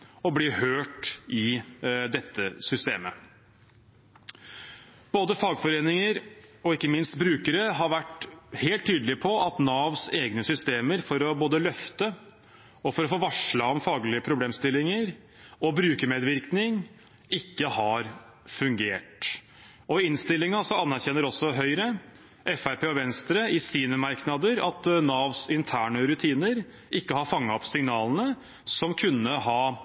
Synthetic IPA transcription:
ɔblihøːʈɪd̪ɛt̪ːəsʏst̪ḛːmə | b̥oːd̪əfɑːɡfɔɾeːnɪŋəɾɔɪkːəmɪnst̪bɾʉːkəɾəɦɑɾʋæʈheːlt̪ʰːyːd̪əlɪpʰɔʔɑt̪nɑːʋseːɡnəsʏst̪eːməɾfɔɾɔboːd̪əlœft̪ə | ɔfɔɾɔfoːʋɑʂləɔmfɑːɡlɪəpʰɾʊbleːmst̪ɪlɪŋəɾ | ɔbɾʉːkəmeːd̪ʋɪɾknɪŋ | ɪkːəhɑɾ | fʉŋɡeːʈ | ɔɪnst̪ɪlːɪŋɑsɔɑnːæɾçɛnːəɾɔsɔɦœʏɾə | ʔɛfæɾpʰeːɔʋɛnst̪ɾəɪsiːnəmɑɾknɑd̪əɾɑ̰t̪nɑːʋsɪnt̪ʰæːɳəɾʉt̪ʰiːnəɾ | ɪkːəhɑɾfɑŋːɑɔpsɪŋnɑːlənə | sɔmkʰʉnːəɦɑː

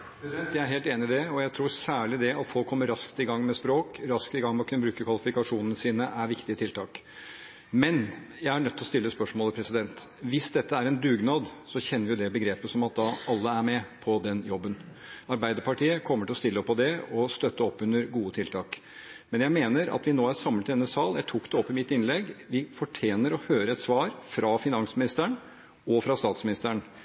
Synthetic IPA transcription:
pɛsd̪ɛnt̪jæɪæɾɦeːlt̪eːnɪmɪd̪ɛɔjæɪt̪ʰɾuːɾsæːɭɪd̪ɛʔɑt̪fɔlkʰːɔmːəɾɑskt̪ɪɡɑŋːmɛspɾoːkɾɑskt̪ɪɡɑŋmɛɔkʰʉnːəbɾʉːkəkʰʋɑlɪfɪkɑʂuːnənəsiːnəʔæɾʋɪkt̪ɪət̪ʰɪlt̪ʰɑːk | mɛnjæɪæɳœt̪ʰːlɔst̪ɪlːəspœʂmoːləpʰɾɛsɪd̪ɛnt̪ʋɪsd̪ɛt̪ːəæɾɛnd̪ʉːɡnɑːd̪sɔçɛnːəɾʋɪjʊd̪ɛbəɡɾeːpəsɔmɑt̪̚d̪ɑɑlːəæɾmɛpʰɔd̪ɛnjɔbːən | ɑɾbæɪd̪əɾpʰɑʈiːəkʰɔmːəʈɪlɔst̪ɪlːəɔpʰːɔd̪ɛɔst̪œt̪ːəɔpːʉnːəɾɡuːət̪ʰɪlt̪ʰɑːk | mɛnjæɪmeːnəɾɑ̰t̪ʋɪnoːæɾsɑmlət̪d̪ɛnːəsɑːljæɪt̪ʰuːkd̪ɛɔpːɪmɪt̪ːɪnlɛɡʋɪfɔʈʰeːnəɾɔhøːɾəɛt̪sʋɑːɾfɾʔɑfɪnɑnsmɪnɪst̪əɳ | ɔfɾɑst̪ɑːt̪smɪnɪst̪əɳ

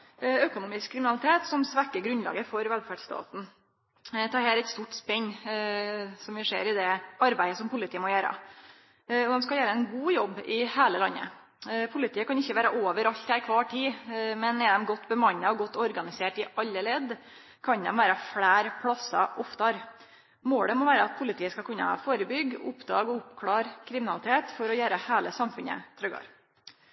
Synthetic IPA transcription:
økʊnuːmɪskʰːɾɪmɪnɑlɪt̪ʰeːt̪sɔmsʋækːəɡɾʉnlɑ̰ːɡəfɔɾʋɛlfæɖst̪ɑ̰ːt̪n̩ | t̪ʰɑːɾhæːɾɛt̪st̪uːʈspɛɲː | sɔmʋɪʂḛːɾɪd̪ɛɑɾbæɪəsɔmpʰʊlɪt̪iːəmɔjæːɾə̰ | ɔd̪ɛmskɑljæːɾəɛɪnɡuːjɔbːɪheːləlɑnːə̰ | pʰʊlɪt̪ʰiːəkɑnɪçːəʋæːɾəʔoːʋəɾɑlt̪hæɾkʰʋɑːʈʰiːmɛnɛd̪ɛmɡɔt̪ːbəmɑɲːɑɔɡɔt̪ːɔɾɡɑnɪseːʈɪʔɑlːəlɛd̪ | kʰɑɲnd̪ɛ̰mʋæːɾɑfɽæːɾpʰlɑsɑ̰ʔɔft̪ɑɾ | moːləmɔʋæːɾəɑt̪̚pʰʊlɪt̪ʰiːəskɑlkʰʉnːə̰hɑ̰foːɾəbʏɡːʊ̰pd̪ɑːɡɔʊpkʰlɑːɾkʰɾɪmɪnɑlɪt̪ʰeːt̪fɔɾɔjæːɾəheːləsɑmfʉnə̰t̪ʰɾœɡɑ̰ːɾ

